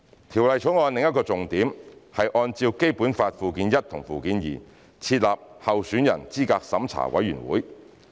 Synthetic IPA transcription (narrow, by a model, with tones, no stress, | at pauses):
t̪ʰiː˨˩wlɐ˨jt͡ʃʰo˨˥ŋɔː˨˧nlɪ˨˧ŋjɐ˥t̚kɔː˧t͡sʊ˨ŋt̪iː˨˥mhɐ˨jʔɔː˧nt͡siː˧wke˥jpuː˨˥nfaː˧t̚fuː˨kiː˨˧njɐ˥t̚t̪ʰʊ˨˩ŋfuː˨kiː˨˥njḭː˨˩ | t͡sʰiː˧t̚laː˨p̚hɐ˨wsyː˨˥njɐ̰˨˩nt͡siː˥kaː˧k̚sɐ˨˥mt͡sʰa̰ː˨˩wɐ̰˨˥jːyː˨˩nwṵː˨˥j